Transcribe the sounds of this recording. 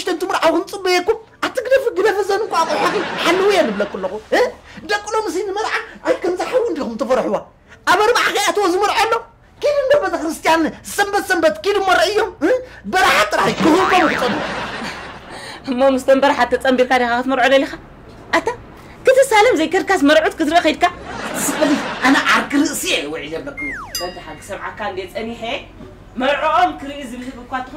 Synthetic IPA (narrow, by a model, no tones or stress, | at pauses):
ʃt̪ʰɐnt̪ʰɨmɨɾʕawkɨnt͡sʼɨbɐjekːum | ʔat̪ʰːɨɡd̪ɐfɨɡɨd̪ɐfɐzɐnɨkuat͡sʼħaxɨħalːɨwijanːɨblɐkʼːulːɐxuɨd̪ɐkʼːlomɨs̬inɨmɐzʕaajkʰɐmzaħawːʊnd̪ikumt̪ʰɐfɐɾħuwa | ʔaβɐɾbaʕakajat̪ɨwozɨmɨɾʕolːo | kilɨnd̪oɾbɐt̪ʼɐkɾɨst̪ʰijanzɨsɐmbɐt̪sɐmbɐt̪kilɨmːoɾɐɨjːombɐɾaħat̪ʼːɨɾaħikɨzɨɾkʰomkʰɨt͡sʼɐnu | ʔɨmːomɨst̪ʰombɐɾaħat̪ʰːɐt͡sʼɐmbiɾkad̪exakɨt̪mɐɾʕod̪ɐlːixa | ʔat̪ʰːa | kʰɨt̪ʰɨsalɐmzɐjkʰɐɾkʰasmɐɾʕut̪kɨt̪ɨɾɨixɐjd̪̚kʰasɨbɐziʔanaʔaɾkʰɨɾɨʔsijewɔʕizɐlːɐkːumut͡sʼot̪ɐħaɡɨ̥sɐβʕa̰kːand̪et͡sʼɐniħe | mɐɾʕoʔomkʰɨɾɨʔizɨβɨhɨfɨkʷat̪ːɨxu